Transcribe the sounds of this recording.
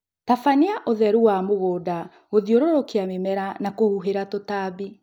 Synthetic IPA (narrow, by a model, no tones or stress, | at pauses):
tafaniaʔoðɛɾuwamoɣoːda | ɣoðioɾoɾokeamemɛɾanakohuɦeɾatotaːbi